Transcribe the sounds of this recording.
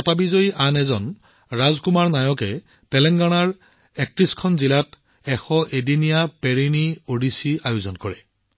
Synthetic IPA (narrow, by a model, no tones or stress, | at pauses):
apabizojʔanɛzɔn | ɹazkumaɹnajɔkɛ | pɛlɛŋɡanaɹ | ɛk̚tɹiskʰɔnzilat | ɛxɔʔedinijapeɹiniodisiajuzɔnkɔɹɛ